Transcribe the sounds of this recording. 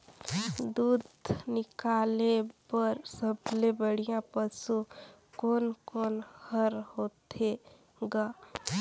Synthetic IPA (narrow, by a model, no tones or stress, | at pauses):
d̪ud̪nɪkalepəɾsəblebəɽ̤ijãpəsu | konkoːnhəɾhot̪e | ɡa